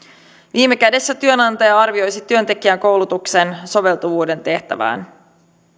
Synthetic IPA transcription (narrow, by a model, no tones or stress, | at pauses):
ʋiːmːe̞kæde̞sːæt̪yø̞nɑnt̪ɑjɑɑrʋio̞jsit̪yø̞nt̪e̞k̟iæŋko̞wlut̪ukse̞nso̞ʋe̞lt̪uʋuːde̞nt̪e̞ht̪æ̰ʋæ̰ːn